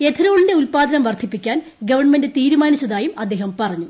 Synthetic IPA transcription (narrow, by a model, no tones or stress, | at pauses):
e̞t̪ʰɐɾoːɭindeulpaːd̪ɐnɐmʋɐrd̪ʰʱipːikʲːaːn | ɡɐʋɐrɳmendet̪iːɾumaːnit͡ɕːɐðaːjumɐd̪ːe̞ːɦɐmpɐrɐɲːu